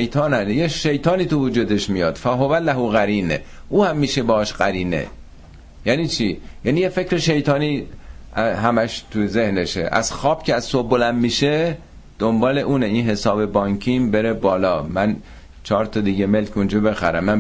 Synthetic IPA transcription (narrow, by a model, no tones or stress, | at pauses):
ejt̪ʰɒːnænjeʃejt̪ʰɒːniːt̪ʰuvud͡ʒuːd̪eʃmijɒːd̪̥fæɦovælæɦuɣæɾiːnḛ | ʔuːhæmːiːʃebɒʃɢæɾiːnḛ | jæːniːt͡ʃʰijæːnijefe̞cɾeʃe̞jt̪ʰɒːniː | ɦæmæʃt̪ʰuze̞hneʃḛʔæ̰z̥xɒːb̥̚cʰeæzsobolæmmiːʃe | d̪̥ombɒːle̞ʔuːneinɦe̞sɒːbe̞bɒːɲkʰimbeɾebɒːlɒːmæn | t͡ʃʰɒːɾt̪ʰɒd̪iɟemelkʰund͡ʒɒbe̞xæ̰ɾæ̰mːæ